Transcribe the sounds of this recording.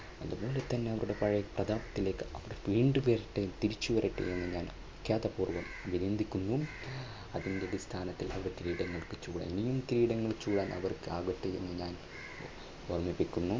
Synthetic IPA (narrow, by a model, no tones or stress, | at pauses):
ɐðubo̞ːlet̪ɐnːe̞ɐʋɐɾuɽe̞pɐɻɐjprɐd̪ʱaːbɐt̪ːile̞ːkːɨɐʋɐɽeʋiːɳɖuʋɐriʈːɨt̪iɾit͡ɕːuʋɐriʈːɨ̰ʔenːɨɲaːn | kjaːt̪ɐpuːrʋɐmɐʋiɾend̪ʱikʲːunːu | ɐðindeðist̪ʰaːnɐt̪ːilɐ̰ʋiɽet̪iɾiːɽɐŋːɐɭkɨt͡ɕuːɽa̰ːnenijumt̪iɾiːɽɐŋːɐɭt͡ɕuːɽaːnɐ̰ʋɐrkɨaːɡɐʈːɨenːɨɲaːn | ormipːikʲːunːu